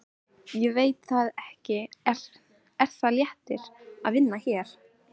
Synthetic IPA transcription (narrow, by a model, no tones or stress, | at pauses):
jɛveːjt̪θaðɛhcɪɾ | ɛɾ̥θaðljɛht̪ɪɾ̥aðvɪnːaçɛːɾ̥